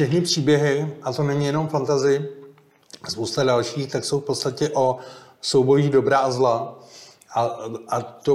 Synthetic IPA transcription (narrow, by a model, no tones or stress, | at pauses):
fʃɛxnɪpr̝̥iːbjɛɦɪʔat̪o̞nɛɲɪjɛno̞mfant̪azɪjɪ | spowst̪adalʃiːxt̪akso̞wfpot̪st̪acɛʔo̞ | sowbo̞jiːdo̞bɾaːzla | ʔaʔat̪o